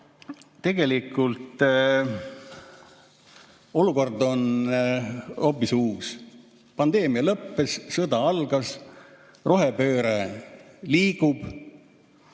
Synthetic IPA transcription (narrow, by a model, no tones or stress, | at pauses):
t̪e̞ɡ̥e̞likːˑult̪ | o̞luko̞rd̪o̞n | o̞pːˑisuːs | pɑnd̪̥e̞ːmiɑlɤpːe̞sːɤd̪ɑɑlɡ̥ɑs | ro̞ɦe̞pø̞ːɾe | liːɡ̥ub̥